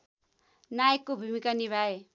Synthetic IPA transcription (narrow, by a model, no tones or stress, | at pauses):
najekːobʱumikaniβʱae